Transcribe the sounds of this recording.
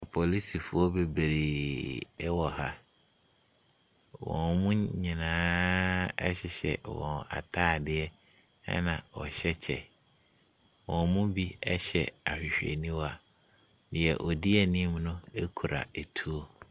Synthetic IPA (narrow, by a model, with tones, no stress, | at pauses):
pʰɔ˨li˦si˨fʊ˦ɔ˦be˨be˨ɾe˨˦ | wɔ˨ha˦ | wɔ̰̃˨nmũ˦ɲĩ˨nãː˦ | ɛ˦ɕɪ˨ɕɛ̰˨wɔ̰̃˨na̰˨tʰaː˦˨dɪ˦ɛ˦ | ɛ̰˦nã˨wɔ̰˨ɕɛ˦t͡ɕʰɛ̰˨ | wɔ̃˨nmũ˦bi˦ɛ˦ɕɛ˨a˨ɕᶣɪ˨ɕᶣɛ̰˨nĩ˦wa˨ | dɪ̃˨ɛ˨ʔɔ˨dɪ˦ɛ˨nĩ˦m˦nʊ̃˦e˦kʰu˨ɾa̰˨e˨tʰu˦o˦